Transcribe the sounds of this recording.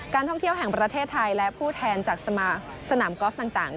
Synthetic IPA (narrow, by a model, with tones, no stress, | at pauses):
kaː˧nt̪ʰɔ˥˩ŋt̪ʰi˥˩əwɦɛ˨˩ŋpɾa˧t̪ʰeː˥˩t̪ʰːa˧jlɛ˦˥ʔpʰuː˥˩t̪ʰɛː˧nt͡ɕaː˨˩k̚sa˧mː˧sa˧naː˩˦mkɔː˦˥f̚t̪aː˨˩ŋt̪aː˨˩ŋ